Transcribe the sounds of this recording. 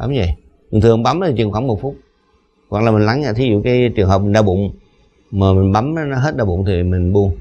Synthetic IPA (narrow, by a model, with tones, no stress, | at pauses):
ɓa˨˦mzə̰˧˩˨j | mi˨˩ŋt̪ʰɨ˨˩əŋɓa˨˦m˨˦t̪i˨t͡ɕɨ̰˨˧˩əŋxwaː˧˩ŋmo˨˩t̚fʊ˦˥t̚ | wa̰˨˩klaː˨˩mi˨ŋ̟la˨˦ŋaː˧˩t̪ʰi˨˦zṵ˧˨kaː˨˦jt͡ɕɨ˨˩əŋɦəː˨˩p̚i˨˩ŋ̟ɗaː˧˩ɓʊ̰˧˨ŋ͡m | maː˨˩mï˨˩ŋ̟ɓa˨˦mə˨˦nɔ˨˦ɦe˦˥t̚ɗaː˧˩ɓʊ̰˧˨ŋ͡mt̪ʰi˨˩mï˨˩ŋ̟ɓu˧ə